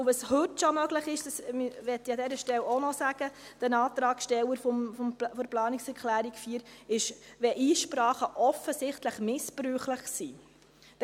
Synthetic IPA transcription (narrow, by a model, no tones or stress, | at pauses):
ʊʋɑshʏtʃomœɡləχɪʃd̥ɑsmyʋɛt̪ːiɑdɛɾəʃtɛlonɔsæɡ̥əd̥ənɑːtɾɑːkʃtɛləɾfɔmfɔmfɔɾplɑːnɪksɛɾkʰlæːɾikfiːəɾɪʃʋɛʔiːʃpɾɑːχəʔɔfəsɪχtləχmɪspɾyːχləχsi̥ː